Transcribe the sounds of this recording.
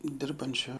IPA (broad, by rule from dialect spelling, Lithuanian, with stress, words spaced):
ˈdʲɪrbɐnʲt͡ʃʲoː